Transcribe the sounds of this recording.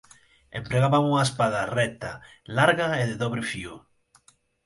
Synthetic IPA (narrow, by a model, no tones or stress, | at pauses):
ḛmpɾeɣaβaŋuŋaespaðarɛt̪a | laɾɣaeðeðɔβɾɪfio